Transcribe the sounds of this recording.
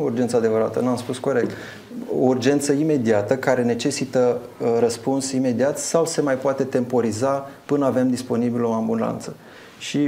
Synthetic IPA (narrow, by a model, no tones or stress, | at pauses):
urd͡ʒent̪səad̪e̞vəɾat̪ənamspusko̞ɾe̞k̚t̪ | ourd͡ʒe̞nt̪səime̞d̪iat̪əkaɾe̞ne̞t͡ʃe̞sit̪ə | ɾəspunsime̞d̪iat̪sawse̞majpoat̪e̞t̪e̞mpo̞ɾizapɨnəave̞md̪ispo̞nibilo̞ambuna̰nt̪sə | ʃi